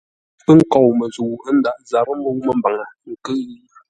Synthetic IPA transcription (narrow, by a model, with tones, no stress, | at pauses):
pə˦ŋ̩˦kɔ˨wmə˨zu˨ə˦n̩˦da˨ʔza˨ɾə˦mo˦wmə˨m˦ba˨ŋa˨ŋ̩˨kə˦ʔji˦